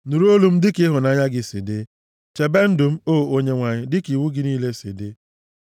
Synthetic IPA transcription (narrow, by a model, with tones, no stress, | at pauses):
nu˨ɾu˦o˦lu˦m̩˦dɪ˦kɪ˦ɦʊ˨na˨˦˨ɲa˦ɡɪ˦sḭ˨de˦ | t͡ʃe˨be˦n̩˦dʊ˨m̩˦o˦˨o˦ɲe˦ŋʷa˨ɲɪ˦dɪ˦ki˨wu˦ɡɪ˦niː˦le˦sḭ˨de˦